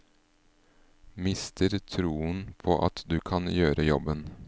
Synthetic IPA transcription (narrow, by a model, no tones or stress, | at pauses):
mɪst̪ʰəɾt̪ʰɾuːənpʰoːʔɑt̪d̪ʉːkʰɑnjøːɾəjɔbən